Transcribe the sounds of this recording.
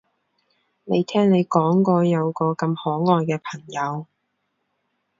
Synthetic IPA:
ne˨˧jt̪ʰɛː˥ŋne˨˧jkɔː˨˥ŋkɔː˧jɐ˨˧wkɔː˧kɐ˧mhɔː˨˥ŋɔː˧jkɛː˧pʰɐ˨˩ŋjɐ˨˧w

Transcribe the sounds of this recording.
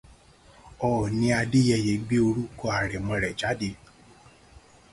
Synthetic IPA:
ɔ˨nĩ˧a˧de˦jɛ˧˨je˨˦ɡ͡be˦o˧ɾu˦kɔ˦a˨ɾɛ˨mɔ̃˧ɾɛ˨d͡ʒa˨˦de˧

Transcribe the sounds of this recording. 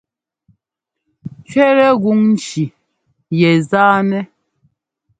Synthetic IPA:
t͡ʃɥɛ˦ɾɛ˦ɣu˦ŋn̩˦t͡ʃi˨ | jɛ˨zaː˦nɛ˦

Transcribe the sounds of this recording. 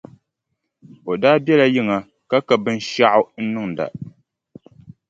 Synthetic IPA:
o˨daː˦bjɛ˦la˨ji˦ŋa˨ | ka˦ka˨bɨ˦n˦ʃa˦ʔʊ˦n̩˦nɨ˦ŋ˨da̰˨

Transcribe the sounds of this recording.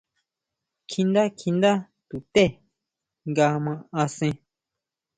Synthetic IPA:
kʰĩ˧nd̪a˦kʰi˧nd̪a˦ | t̪u˨t̪e˦˨ | ŋɡa˧mã˧a˧sẽ˧

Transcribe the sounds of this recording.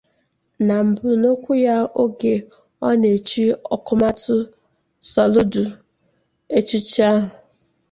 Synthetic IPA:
na˨m̩˨bʊ˨no˦kʷu˦ja˦o˦ɡe˨ | ɔ˦ne˨t͡ʃi˦ɔ˨kʊ˦ma˦tʊ˦ | sɔ˨lʊ˦dʊ˨ | e˦t͡ʃi˦t͡ʃi˦a˦ɦʊ˨

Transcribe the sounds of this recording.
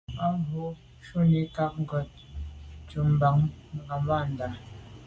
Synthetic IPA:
a˦ɦo˨˦ | ʃu˦ni˨˦ka˦k̚ŋ̩˦ɡɔ˨t̚t͡ʃu˨m̩˦ba˨ŋ˨ɡa˨mba˦˨n̩˨da˨

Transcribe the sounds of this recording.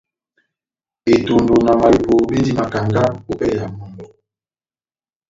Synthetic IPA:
e˨to˨ndo˨na˨ma˨i˨po˨bi˦di˦ma˨ka˨ŋɡa˦u˦pɛ˦ja˨mo˨ndɔ˨

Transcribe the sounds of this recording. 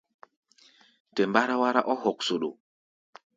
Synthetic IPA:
tɛ˨mba˦ɾa˦wa˦ɾa̰˦ʔɔ˦hɔ˨ksu˨ɗo˨

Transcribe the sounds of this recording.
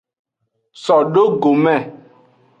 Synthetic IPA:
sɔ˨ɖo˦ɡo˨mɛ̃˦˨

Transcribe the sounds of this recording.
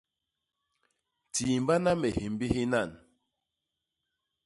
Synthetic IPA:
tiː˨m˦ba˦na˦me˨hi˨mbi˦hi˦na˦˨n

